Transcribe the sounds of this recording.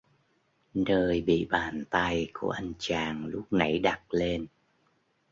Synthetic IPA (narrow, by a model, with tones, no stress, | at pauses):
nəː˧jɓḭ˧˨ɓaː˨˩nt̪a˧jku˧˩əʔa˧jŋ̟t͡ɕaː˨˩ŋlʊ˦˥k͡p̚na˧˩jɗa˨˩t̚le˧n